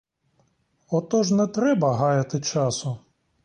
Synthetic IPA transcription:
ɔt̪ɔʒnɛt̪ɾɛbɐɦɑjɐt̪ɪt͡ʃɑsʊ

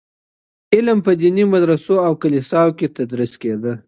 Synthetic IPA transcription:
ɪlmpəd̪inimad̪ɾasoawkalisɑwket̪ad̪ɾisked̪ə

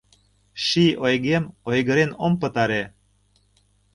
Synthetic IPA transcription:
ʃiojɣemojɣə̆ɾenompə̆t̪ɑɾe

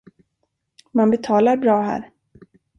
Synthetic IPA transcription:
manbɛt̪ʰɑːlaɾbɾɑːɦæ̰ːɾ

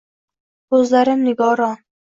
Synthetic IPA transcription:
ɵzlaɾɪmnɪɡɒɾɒn

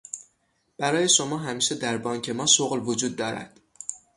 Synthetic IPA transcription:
b̥æɾɒːje̞ʃo̞mɒːɦæmiːʃed̪æɾbɒːŋcʰe̞mɒːsoɣlvod͡ʒuːd̪̚ːɒːɾæ̰d̪̥

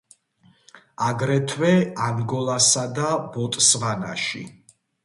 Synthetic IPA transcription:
aɡɾɛt̪ʰwɛaŋɡɔlˠasad̪abɔt̪ʼsvana̰ʃḭ

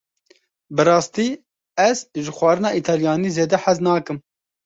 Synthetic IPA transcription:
bɨɾɑːst̪iː | ɛzʒɨxʷwɑːɾɨnɑːʔiːt̪ʰɑːljɑːniːzeːd̪ɛħaznɑːkɨm

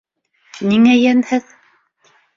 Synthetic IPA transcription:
niŋæjænhɘð

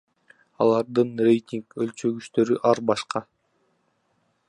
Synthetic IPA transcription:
ɑlˠɑɾd̪ɯnrʲe̞jt̪ʲiŋkølt͡ʃø̞ɡyʃt̪ø̞ɾyʔɑɾbɑʃqɑ

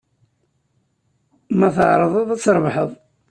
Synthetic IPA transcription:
mæθə̰ʕɾˤəðˤəðˤæt͡sːɾˤvħəðˤ

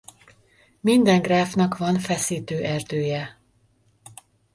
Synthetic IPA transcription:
mind̪ɛŋɡraːfnɒkʋɒnfɛsiːt̪øːʔɛrd̪øːjɛ

